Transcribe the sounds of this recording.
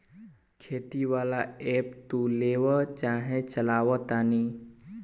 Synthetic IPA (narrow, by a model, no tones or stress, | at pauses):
kʰeːt̪iʋaːlaeːpt̪uleːʋət͡ʃaːɦẽt͡ʃəlaːʋət̪aːniː